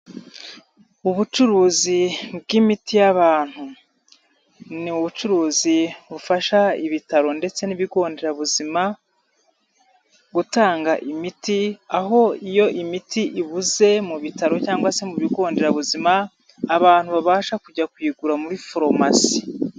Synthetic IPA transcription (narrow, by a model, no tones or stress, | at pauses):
uβut͡ʃuɾuːzib̚ɡimitijaβaːn̥hu | niuβut͡ʃuɾuːziβufaʃaiβitaɾo̞nde̞t͡se̞niβiɡo̞ːnde̞ɾaβuzima | ɡutaːŋɡaʔimitiaɦo̞ijo̞ʔimitiʔiβuze̞muβitaɾo̞caːŋwase̞muβiɡo̞ːnde̞ɾaβuzimaː | βaːn̥huβaβaːʃakuɟakwiːɡuɾamuɾifoɾo̞masi̥